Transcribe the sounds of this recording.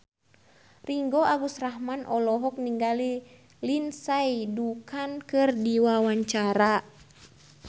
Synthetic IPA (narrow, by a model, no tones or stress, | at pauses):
riŋɡɔaɡusraɦmanʔɔlɔɦɔk̚niŋɡali | linsajdukankɨrdiwawaɲt͡ʃaɾa